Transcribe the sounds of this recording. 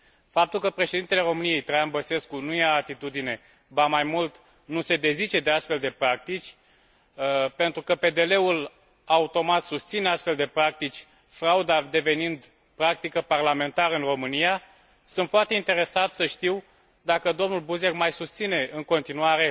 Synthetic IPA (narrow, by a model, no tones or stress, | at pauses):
fap̚t̪ulkəpɾe̞ʃe̞d̪int̪ele̞ɾo̞mɨnije̞jt̪ɾajanbəse̞skunujeaːt̪it̪ud̪ine̞ | bamajmult̪ | nuse̞d̪e̞zit͡ʃe̞d̪e̞ast̪fe̞ld̪e̞pɾak̚t̪it͡ʃʲ | pe̞nt̪ɾukəpe̞d̪e̞le̞ul | aut̪o̞mat̪sust̪sineast̪fe̞ld̪e̞pɾak̚t̪it͡ʃʲ | fɾaud̪ad̪e̞ve̞nind̪ | pɾak̚t̪ikəparlame̞nt̪aɾɨnro̞mɨnija | sɨnt̪foart̪eint̪e̞ɾe̞sat̪səʃt̪iw | d̪akəd̪o̞mnulbuze̞kmajsust̪sine̞ɨŋko̞nt̪inuaɾe̞